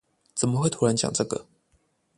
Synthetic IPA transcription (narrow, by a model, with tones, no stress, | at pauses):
t͡sə˨˩nmə˦xwe˥˩ɪt̪ʰu˦ɻa˧˦nt͡ɕjɑ̰˨˩ŋʈ͡ʂɤ˥˩ɡə̰˩